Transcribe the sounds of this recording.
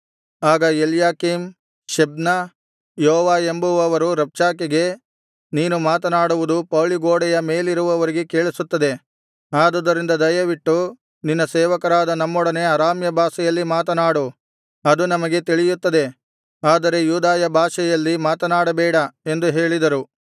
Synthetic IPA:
aːɡɐeljaːkim | ʃebnɐ | jɔɦɔːʋaːembuʋɐʋɐɾuɾɐp̚t͡ʃaːkeɡe̞ | niːnumaːt̪ɐnaːɽuʋud̪upɐːɭiɡoːɽɛjɐme̞ːliɾuʋɐʋɐɾiɡe̞ke̞ːɭisut̪ːɐd̪e̞ | aːd̪ɔd̪ːɐɾind̪ɐd̪ɐjɐʋiʈːu | ninːɐsɛːʋɐkɐɾaːd̪ɐnɐmːɔɽɐne̞ɐɾaːmjɐbʱaːʃɐjɐlːimaːt̪ɐnaːɽu | ɐd̪unɐmɐɡe̞t̪iɭijut̪ːɐd̪e̞ | aːd̪ɐɾe̞juːd̪aːjɐbʱaːʃɛjɐlːimaːt̪ɐnaːɽɐbɛːɽɐe̞nd̪uɦe̞ːɭid̪ɐɾu

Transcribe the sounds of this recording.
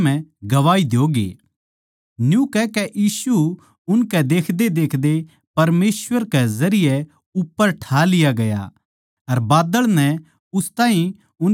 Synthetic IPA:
mɛ̃ɡɐʋaːid̪joːɡḛː | njũkɛkɛʔjiːsu | ʊnkɛd̪eːkʰd̪ed̪eːkʰd̪e | pɐɾmeːsʋəɾkɛzɐɾɪjɛ | ʊpːəɾʈʰaːlɪjaɡɐja̰ | ɐɾbaːd̪əɭnɛ | ʊst̪ãːɦĩ | ʊn

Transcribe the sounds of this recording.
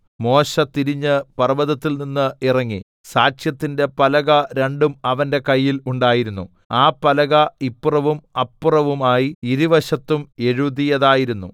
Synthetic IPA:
mo̞ːɕɐt̪iɾiɲːɨpɐrɐʋɐðɐt̪ːilninːɨirɐŋːi | saːt͡ɕjɐt̪ːinde̞pɐlɐɣɐɾe̞ɳɖumɐʋɐnde̞kɐjːiluɳɖaːjiɾunːu | aːpːɐlɐɣɐipːurɐʋumɐpːurɐʋumaːjiiɾiʋɐɕɐt̪ːume̞ɻuðijɐðaːjiɾunːu

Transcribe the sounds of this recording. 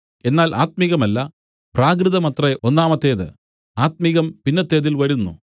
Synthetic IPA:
e̞nːaːlʔa̰ːt̪̚miɣɐmɐlːɐ | praːk̬rɨðɐmɐt̪reo̞nːaːmɐt̪ːe̞ːðɨ̰ | aːt̪̚miɣɐmpinːɐt̪ːe̞ːðilʋɐɾunːṵ

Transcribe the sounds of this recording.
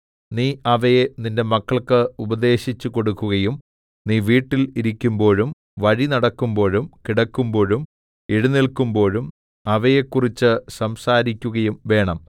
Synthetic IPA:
niːɐʋɐjeninde̞mɐkːɐɭkɨubɐd̪e̞ːɕit͡ɕːuko̞ɽukːuɣɐjum | niːʋiːʈːiliɾikʲːumbo̞ːɻum | ʋɐɻinɐɽɐkːumbo̞ːɻumkiɽɐkːumbo̞ːɻum | iɻunilkumbo̞ːɻum | ɐʋɐjekːurit͡ɕːɨsɐmsaːɾikʲːuɣɐjumʋe̞ːɳɐm

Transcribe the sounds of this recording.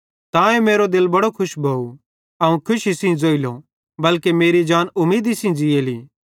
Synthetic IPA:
t̪ãːɛmeːɾod̪ɪlbɐɽokʰʊʃbʱoːu | ɐũkʰʊʃisĩd͡zoːilo | bɐlkemeːɾid͡ʒaːnʊmːiːd̪isĩd͡zɪeliː

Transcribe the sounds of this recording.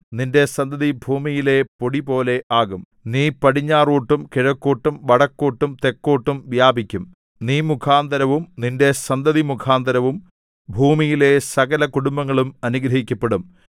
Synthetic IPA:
ninde̞sɐnd̪ɐðibʱuːmijile̞po̞ɽipo̞ːle̞ʔaːɣum | niːpɐɽiɲːaːruːʈːumkeɻɐkːoːʈːumʋɐɽɐkːoːʈːumt̪e̞kːoːʈːumʋjaːbʱikʲːum | niːmukʰaːnd̪ɐɾɐʋumninde̞sɐnd̪ɐðimukʰaːnd̪ɐɾɐʋum | bʱuːmijile̞sɐɣɐlɐkuɽumbɐŋːɐɭumɐnuɡɾɐɦikʲːɐpːe̞ɽum

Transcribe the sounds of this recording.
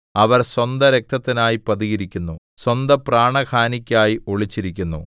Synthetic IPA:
ɐʋɐrswɐnd̪ɐɾe̞k̚t̪ʰɐt̪ːinaːjipɐðiɣiɾikʲːunːu | swɐnd̪ɐpraːɳɐkʰaːnikʲːaːjioɭit͡ɕːiɾikʲːunːṵ

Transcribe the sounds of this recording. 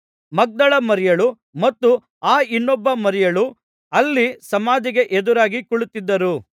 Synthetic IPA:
mɐɡ̚d̪ɐɭɐmɐɾɛjɐɭu | mɐt̪ːu | aːinːɔbːɐmɐɾɛjɐɭu | ɐlːisɐmaːd͡ʒ̪iɡe̞ʔed̪uɾaːɡikuɭut̪ːid̪ːɐɾu

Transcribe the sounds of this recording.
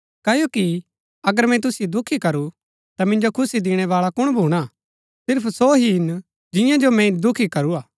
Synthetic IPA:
kɐːjoːki | ɐɡəɾmɛ̃t̪̬ʊsɪjod̪ʊkʰːikɐɾu | t̪amɪ̃nd͡ʒokʰʊsid̪ɪːɽ̃ɛʋaːɭakʊɽ̃bʱuːɽ̃a | sɪɾpʰsoːɦiɪn | d͡ʒɪ̃jãd͡ʒomɛ̃d̪ʊkʰikɐɾuaː

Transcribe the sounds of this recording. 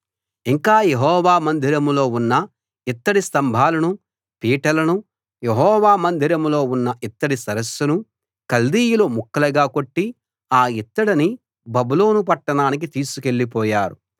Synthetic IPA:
iŋkaːjeɦɔːʋaːmɐnd̪ʱiɾɐmlo̞ːunːɐ | it̪ːɐɽist̪ɐmbʱaːlɐnu | piːʈɐlɐnu | jeɦɔːʋaːmɐnd̪ʱiɾɐmlo̞ːunːɐʔit̪ːɐɽisɐɾɐsːunu | kɐld̪iːjulumukːɐlɐɡaːko̞ʈːi | aːit̪ːɐɽini | bɐbuloːnupɐʈːɐɳaːnik̬it̪iːsuke̞ɭːipɔːjaːɾu

